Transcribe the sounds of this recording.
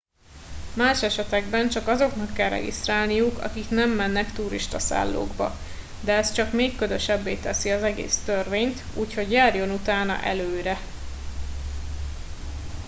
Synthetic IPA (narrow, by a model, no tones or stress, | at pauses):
maːʃɛʃɛt̪ɛɡbɛnt͡ʃɒkɒzo̞knɒkːɛlrɛ̰ɡḭst̪raːlnijukɒ̰kiknɛmːɛnːɛkt̪uɾiʃt̪ɒsa̰ːlːo̰ːɡbɒ̰ | d̪ɛɛst͡ʃɒkmeːkːøzøʃɛbːeːt̪ɛsiɒzɛɡḛːst̪ørveːɲt̪uːcho̞ɟjaːrjo̞nut̪aːnɒ̰ʔɛløːɾɛ